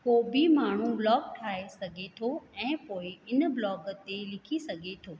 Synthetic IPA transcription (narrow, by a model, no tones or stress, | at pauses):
koːbimaːɳ̤ũlɔːk̚ʈʰaːesɐɡʱet̪ʰoɛ̃ːpoːɪɪnəblɔːɡət̪elɪkʰisɐɡʱet̪ʰoː